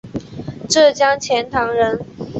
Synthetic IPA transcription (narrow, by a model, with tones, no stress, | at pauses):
ʈ͡ʂɤ˥˩t͡ɕjɑ˥ŋt͡ɕʰjɛ˧˥nt̪ʰɑ˧˥ŋɻə˧˥n